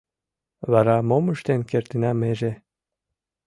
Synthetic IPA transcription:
βɑɾɑmoməʃt̪enkert̪ɘ̆næmeʒe

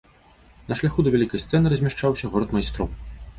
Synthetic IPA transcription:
nɐʂlʲaxud̪ɐvʲalʲikɐjst̪sɛnɨɾɐzʲmʲaʂt͡ʂawsʲɐɣɔɾɐt̪majst̪ɾɔw

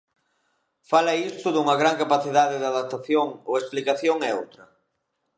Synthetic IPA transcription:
falɐist̪ʊðuŋɐɣ̞ɾaŋkapaθiðaðɪðaðap̚t̪aθjoŋoesplikaθjoŋɛo̰wt̪ɾɐ

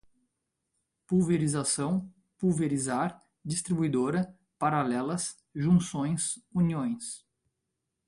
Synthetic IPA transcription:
puveɾizasɐ̃w̃ | puveɾizaɾ | d͡ʒist̪ɾibujd̪oɾɐ | paɾalɛlɐs | ʒũsõj̃suniõj̃s

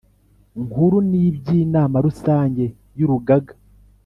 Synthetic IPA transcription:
ŋhuɾunibɟiːnaːmaɾusaːɲɟe̞ | juɾuɡaɡḁ

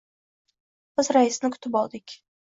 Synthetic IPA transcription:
b̥ɪzɾaɪsnɪkʰʊ̥t̪ʰɪpɒlˠd̪ɪkʲ

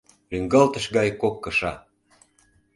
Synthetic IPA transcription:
ryŋɡɑlt̪əʃɡɑjkokːɤʃɑ

